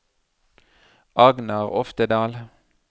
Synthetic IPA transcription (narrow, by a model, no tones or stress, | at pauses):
ʔɑɡnɑʁɔft̪əd̪ɑːl